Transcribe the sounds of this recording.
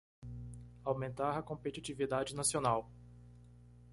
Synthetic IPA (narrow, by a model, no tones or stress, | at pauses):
awmẽnt̪aɾɐkõmpet͡ʃit͡ʃivid̪ad͡ʒɪnasionaw